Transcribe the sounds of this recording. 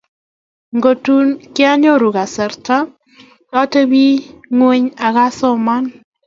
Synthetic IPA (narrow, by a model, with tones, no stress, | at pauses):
ŋɡo˨tu˦nkɪ˦a˦ɲo˦˨ɾu˨ɡa˨sɛ˨ɾta˦ | kɔ˦te˦bi˦ŋwe˦ɲa˨ɣa˦sɔ˦ma˦n